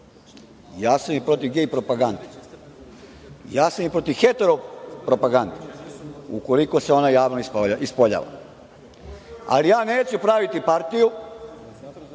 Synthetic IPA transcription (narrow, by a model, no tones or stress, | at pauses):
jaːsamipɾo̞t̪iʋɡeipɾo̞paɡand̪e̥ | jaːsamipɾo̞t̪iʋxe̞t̪eɾopɾo̞paɡand̪eṵko̞liko̞se̞o̞najaːʋnoispoaispoʎa̰ːʋa̰ | a̰lijaːneːt͡ʃupɾaʋit̪ipaɾt̪iju